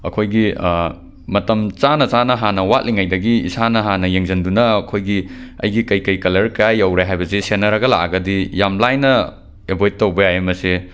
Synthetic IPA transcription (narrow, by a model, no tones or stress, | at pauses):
ɐ̰kʰojɡi | mɐtɐmt͡ʃanɐt͡ʃanɐɦanɐwat̚liŋajdɐɡiḭsanɐɦanɐjeŋzɐndunɐɐkʰojɡiɐ̰jɡikɐjkɐjkɐlɐɾkɾajɐwɾaɦajbɐsesenɐɾɐɡɐla̰ɡɐdijamlajnɐ | ebojt̚tːɐwbɐjaemɐse